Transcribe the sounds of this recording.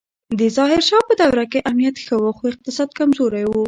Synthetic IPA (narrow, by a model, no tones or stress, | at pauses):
d̪əzɑɦɪɾʃɑpəd̪awɾakeʔamnijat̪xəwəxoɪq̚t̪ɪsɑd̪kamzoɾajwu